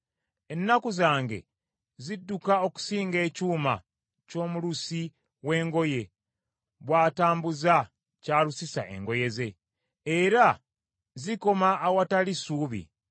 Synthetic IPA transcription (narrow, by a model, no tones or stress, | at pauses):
e̞nːakuzaːŋɡe̞̰ | zidːukao̞ku̥siːŋɡe̞ːcuːma̰ | co̞ːmulusi | we̞ːŋɡo̞je̞ | βwaːtaːmbuza | caːlusisa̰ʔe̞̰ŋɡo̞je̞ze̞ː | ɾa | ziko̞maːwatalisuːβḭ